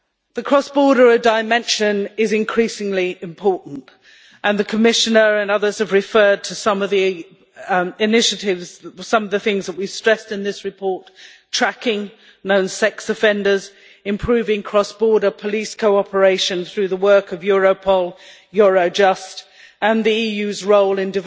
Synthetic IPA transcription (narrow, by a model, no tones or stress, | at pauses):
ðəkʰɹ̥ɒsb̥ɔɹɾə˞ədaɪmɛ̃nʃɨ̃nɪzɪ̃nkʰɹ̥isɪ̃ŋliɪ̃mpʰɔɹʔn̩t | ʔə̃nðɨkʰəmɪʃɨnə˞ə̃nʌðə˞z̥ɨvɹɨfɜːd̚tʰəsʌ̃mʌvði | ɪnɪʃɨɾɪvz̥sʌ̃mʌvðəθɪ̃ŋzðəʔ̚wiv̥stɹ̥ɛstɨ̃nðɪsɹɨpʰɔɹtʰ | ɹ̥ækɪ̃ŋ | nõʊ̃nsɛksɨfɛ̃ndə˞z | ɨ̃mpʰɹ̥ʉvɪ̃ŋkʰɹ̥ɒsb̥ɔɹɾə˞pʰəliskʰoʊɑpə˞eɪʃɨ̃nθɹʉðəwɜ˞kʌvjɔɹoʊpʰɔlˠ | jɔɹoʊd͡ʒʌst | ə̃nðiijʉzɹoʊlˠɪ̃ndɨv